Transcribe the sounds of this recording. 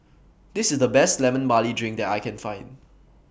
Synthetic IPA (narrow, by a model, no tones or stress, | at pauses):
d̥ɪsɪsdəbɛstlɛmə̃nbalidɹɪ̃ŋk̚dɛtajkʰɛ̃nfãɪ̃nd